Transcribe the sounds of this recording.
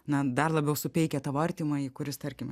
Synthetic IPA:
nɐd̪ɐrlˠɐbʲɛʊsʊpʲɛɪkʲɛt̪ɐʋɐrʲt̪ʲimɐikʊɾʲɪst̪ɐrʲkʲɪm

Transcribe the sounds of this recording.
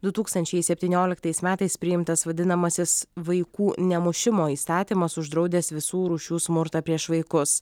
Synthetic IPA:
d̪ʊt̪uːkst̪ɐnʲt͡ʃʲɛɪsʲɛpʲt̪ʲiːnʲoːlʲɪkt̪ɐɪsmʲæːt̪ɐɪspʲɾʲɪjɪmt̪ɐsʋɐd̪ʲɪnɐmɐsʲɪsʋɐɪkuːnʲɛmʊʃʲɪmoːiːst̪ɑːt̪ʲiːmɐsʊʒd̪ɾɒʊd̪ʲeːsʋʲɪsuːɾuːʃʲuːsmʊɾt̪ɐpʲɾʲiɛʃʋɐɪkʊs

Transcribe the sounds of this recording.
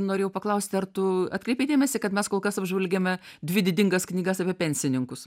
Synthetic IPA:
noːɾʲeːjɛʊpɐklˠɐʊsʲt̪ʲɪɐrt̪ʊɐt̪kɾʲɛɪpʲeɪd̪ʲeːmʲɛsʲɪkɐt̪mʲɛskoːlˠkɐsɐbʲʒʲʋʲɛlʲɡʲemʲɛd̪ʲʋʲɪd̪ʲɪdʲɪŋɡɐsknʲiːɡɐsɐpʲɛpʲɛnʲsʲɪnʲɪŋkʊs

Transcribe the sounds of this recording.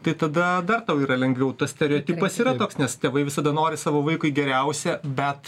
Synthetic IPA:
t̪ɐɪt̪ɐd̪ɐd̪ɐrt̪ɐʊiːɾɐlʲɛŋʲɡʋʲɛʊt̪ɐssʲt̪ʲɛɾʲɛoːt̪ʲiːpɐsiːɾɐt̪oːksnʲɛst̪ʲeːʋɐɪʋʲɪsɐd̪ɐnoːɾʲɪsɑːʋoːʋɐɪkʊɪɡʲɛɾʲɛʊsʲɛbʲɛt̪

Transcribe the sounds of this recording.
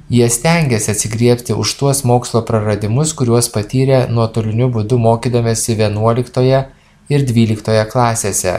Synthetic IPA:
jiɛsʲt̪ʲɛŋʲɡʲɛsʲɪɐt̪ʲsʲɪɡɾʲiɛpʲt̪ʲɪʔʊʃt̪uɔsmoːkslˠoːpɾɐɾɐd̪ʲɪmʊskʊɾʲuɔspɐt̪ʲiːɾʲeːnuɔt̪ʊlʲɪnʲʊbʊd̪ʊmoːkʲiːd̪ɐmʲeːsʲɪʋʲiɛnuɔlʲɪkt̪oːjɛ | ɪɾd̪ʲʋʲiːlʲɪkt̪oːjɛklˠɑːsʲeːsʲɛ̰

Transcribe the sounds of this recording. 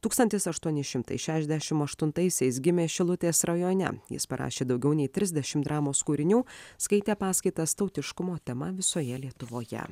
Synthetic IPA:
t̪uːkst̪ɐnt̪ʲɪsɐʃt̪uɔnʲɪʃʲɪmt̪ɐ̰ɪʃʲæːʃʲɛzd̪ʲɛʃʲɪmɐʃt̪ʊnt̪ɐɪsʲɛɪs̬ɡʲɪmʲeːʃʲɪlˠʊt̪ʲeːsɾɐjoːnʲɛ̰jɪ̰spɐɾʔɑ̰ːʃʲeːd̪ɒʊɡʲɛʊnʲɛɪt̪ʲɾʲɪzʲd̪ʲɛʃʲɪmd̪ɾɑːmoːskuːɾʲɪnʲuːskɐɪt̪ʲeːpɑːskɐɪt̪ɐst̪ɒʊt̪ʲɪʃkʊmoːt̪ʲɛmɐʋʲɪsoːjɛlʲiɛt̪ʊʋoːjɛ̰

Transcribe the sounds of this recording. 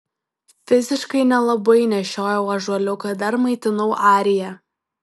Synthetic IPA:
fʲɪzʲɪʃkɐɪnʲɛlˠɐbɐɪnʲɛʃʲoːjɛʊɐʒuɔlʲʊkɐd̪ɐɾmɐɪt̪ʲɪnɐʊʔɑːɾʲɪjɛ

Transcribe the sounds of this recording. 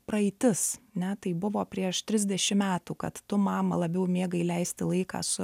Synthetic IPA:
pɾɐɛɪt̪ʲɪsɐnʲɛt̪ɐɪbʊʋoːpʲɾʲiɛʃt̪ʲɾʲɪzʲd̪ʲɛʃʲɪmmʲæːt̪uːkɐt̪tʊmɑːmɐlˠɐbʲɛʊmʲiːɡɐɪlʲɛɪsʲt̪ʲɪlˠɐɪkɑ̰ːsʊ

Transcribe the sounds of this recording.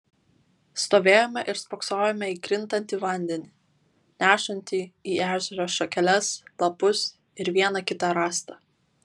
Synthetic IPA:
st̪oːʋʲeːjoːmʲɛʔɪɾspɔːksoːjɛmʲɛiːkɾʲɪnt̪ɐnʲt̪ʲiːʋɐˑnʲd̪ʲɛnʲi | nʲæːʃɐnʲt̪ʲiːiːæːʒʲɛɾoːsʃɔkʲɛlʲɛslˠɐpʊs | ɪɾʋʲiɛnɐkʲɪt̪ɑɾɑːst̪ɑ

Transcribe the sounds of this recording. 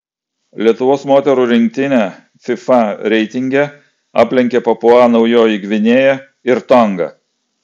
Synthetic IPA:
lʲiɛt̪ʊʋoːsmoːt̪ʲɛɾuːɾʲɪŋʲk̚ʲt̪ʲɪnʲɛ | fʲɪfɑɾʲɛɪt̪ʲɪŋʲɡʲɛ | ɑ̰ːpʲlʲɛŋʲkʲepɐpʊɑːnɒʊjoːjɪɡʋʲɪnʲeːjɛ | ɪɾt̪ɔŋɡɐ̰

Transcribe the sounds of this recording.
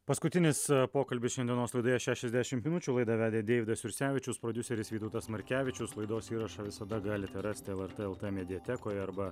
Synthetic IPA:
pɐskʊt̪ʲɪnʲɪspoːkɐlʲbʲɪsʃʲɛnd̪ʲiɛnoːslˠɐɪd̪oːjɛʃʲæːʃʲɛzʲd̪ʲæʃʲɪmtʲmʲɪnʊt͡ʃʲuːlˠɐɪd̪ɐʋʲæːd̪ʲeːd̪ʲeːɪʋʲɪd̪ɐsʲɪɾʲsʲæːʋʲɪt͡ʃʲʊspɾɔd̪ʲʊsʲɛɾʲɪsʋʲiːt̪oʊt̪ɐsmɐɾʲkʲæːʋʲɪt͡ʃʲʊslˠɐɪd̪oːsiːɾɐʃɐʋʲɪsɐd̪ɐɡɑːlʲɪt̪ʲɛɾɑsʲt̪ʲɪɛlˠɛɾt̪eɛlˠt̪emʲɛd̪ʲɪjɛt̪ʲɛkoːjɐɾbɐ

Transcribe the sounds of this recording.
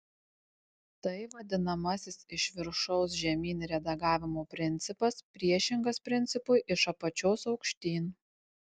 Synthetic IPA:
t̪ɐɪʋɐd̪ʲɪnɐmɐsʲɪsɪʃʲʋʲɪɾʃɔʊs̬ʒʲɛmʲiːnɾʲɛd̪ɐɡɑːʋʲɪmoːpʲɾʲɪnʲt̪sʲɪpɐspʲɾʲiɛʃʲɪŋɡɐspʲɾʲɪnʲt̪ʲɪpʊɪʔɪʃɐpɐt͡ʃʲoːsɒʊkʃʲt̪ʲiːn

